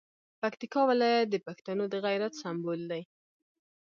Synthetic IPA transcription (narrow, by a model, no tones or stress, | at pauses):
pakt̪ikɑwɪlɑjat̪̚d̪əpaxt̪anod̪əɣajɾat̪sambold̪aj